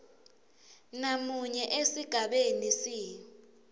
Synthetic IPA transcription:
namuɲɛʔesiɡ̥ʱaɓenisiː

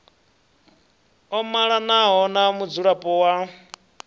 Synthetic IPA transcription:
ɔmaɺanaɦɔnamud͡zuɺapʼɔwa

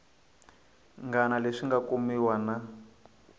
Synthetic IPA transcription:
ŋɡanaleʂiŋɡakumiwana

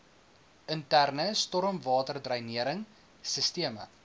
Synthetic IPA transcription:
əntærnəstɔɾəmvɑːtərdrɐjniəɾəŋ | səstiəmə̰

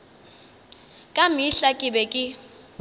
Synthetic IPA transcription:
kʼamiɬakʼɪɓɛkʼɪ

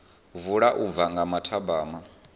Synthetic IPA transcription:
vuɺaʔub̪vaŋɡamatʰabaːma

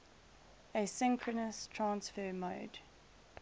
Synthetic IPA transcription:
əsɪ̃ŋkʰɹənəstʰɹ̥ãnsfəːmoːd

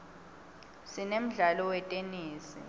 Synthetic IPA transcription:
sinem̩ɮalɔwɛtʼeniːsḭ

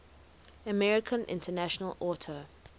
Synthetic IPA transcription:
əmɛɹɪkʰə̃nʔɪ̰̃ntʰənæʃənəlɔːˑtʰə

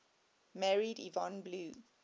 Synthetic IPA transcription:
mɛɹidḭvɔ̃nbluː

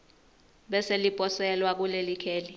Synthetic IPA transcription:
ɓɛselipʼɔsɛlwak̬ulelikʰeːli

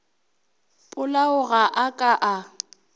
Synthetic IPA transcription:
pʼʊlaʊɣaʔakʼaʔa

